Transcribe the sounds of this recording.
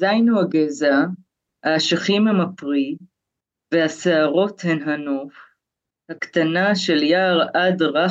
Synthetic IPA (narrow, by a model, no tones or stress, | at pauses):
zajnuhaɡeza | haʃaχimhemapʁi | vehaseaʁo̞thenɦanof | hakt̪anaʃe̞ljaːʁadʁa